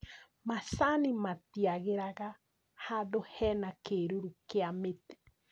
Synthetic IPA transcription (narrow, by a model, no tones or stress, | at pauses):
masanimatiaɣeɾaɣa | hadohɛːnakeɾoɾukeamete̥